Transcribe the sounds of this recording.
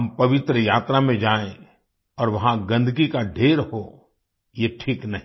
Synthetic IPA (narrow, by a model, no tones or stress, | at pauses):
ɐmpɐʋɪt̪ɾəjaːt̪ɾamẽd͡ʒaːẽ | ɔːɾʋɐɦãɡɐ̃nd̪ʱɡikaɖʱeːɾho | jeʈʰiːknɐɦĩ